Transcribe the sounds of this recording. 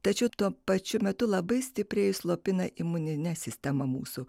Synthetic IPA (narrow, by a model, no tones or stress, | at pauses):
t̪ɐt͡ʃʲɛʊt̪uɔpɐt͡ʃʲʊmʲɛt̪ʊlˠɐbɐɪsʲt̪ʲɪpʲɾʲeːjʊslˠoːpʲɪnɐʔɪmʊnʲɪnʲɛsʲɪsʲt̪ʲɛmɐmṵːsʊ